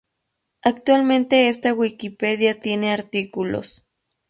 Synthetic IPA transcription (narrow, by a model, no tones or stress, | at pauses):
ak̚t̪walment̪eest̪awikipeðjat̪jeneaɾt̪ikulo̰s